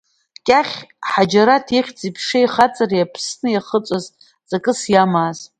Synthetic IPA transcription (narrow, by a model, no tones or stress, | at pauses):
kʲʼaχʲħad͡ʒaɾatʰiχʲt͡sʼipʰʂajχat͡sʼarjapʰsnɨjaχət͡sʷʼaz | t͡sʼakʼɨsjamaːz̥